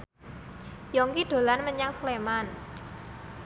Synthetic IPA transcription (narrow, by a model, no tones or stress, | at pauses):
jɔŋkiɖ̪̥o̤lanməɲaŋsleman